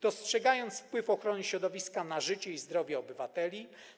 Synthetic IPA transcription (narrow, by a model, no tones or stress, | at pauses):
d̪̥ɔstʂɛɡajɔnt̪sfpwɘfɔxɾɔnɛɕɾɔd̪ɔvʲiskanaʐɘt͡ɕɛizd̪ɾɔvʲjɛɔbɘvat̪ɛlʲi